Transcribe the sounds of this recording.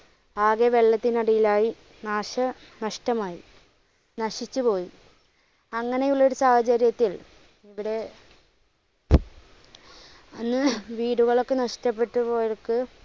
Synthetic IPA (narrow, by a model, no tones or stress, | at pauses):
aːɣeʋe̞ɭːɐt̪ːinɐɽijilaːji | naːʂɐ | nɐʂʈɐmaːjḭ | nɐʂit͡ɕːupo̞ːji | ɐŋːɐne̞juɭːɐoɾusaːhɐt͡ɕɐɾjɐt̪ːil | iʋiɽe̞ | ɐnːɨʋiːɽuɣɐɭo̞kːenɐʂtɐpːe̞ʈːupoːjokːɨ